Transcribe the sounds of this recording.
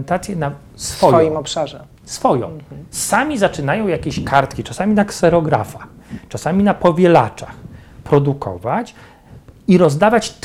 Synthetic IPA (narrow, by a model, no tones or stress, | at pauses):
nt̪at̪sʲjɛna | sfɔjɔjimɔpʂaʐɛ | sfɔjɔ̰̃w̃samʲizat͡ʂɘnajɔ̃w̃jakʲeɕkaɾt̪kʲit͡ʂasamʲinaksɛɾɔɡɾa̰faxt͡ʂasamʲinapɔvʲjɛlat͡ʂax | pɾɔd̪ukʰɔ̰vat͡ɕ | iɾɔzd̪avat͡ɕt̪